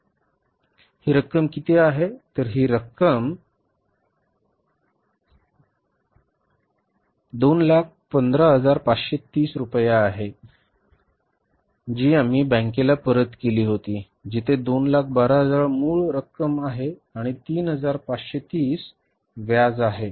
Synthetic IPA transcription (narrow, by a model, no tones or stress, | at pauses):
hiːɾəkːəmkit̪eaɦet̪əɾɦiːɾəkːəm | d̪onlak̚ʰpənd̪ɾəɦəd͡zaɾpat͡sɕet̪iːsɾupəjaːɦe | d͡ʑiːam̤iːbə̃ŋkelapəɾət̪keliːɦot̪iː | d͡ʑit̪ʰed̪onlak̚ʰbaɾaɦəd͡zaɾmuːɭɾəkːəmaɦeaɽ̃it̪iːnɦəd͡zaɾpat͡sɕet̪iːs | ʋjad͡zaɦe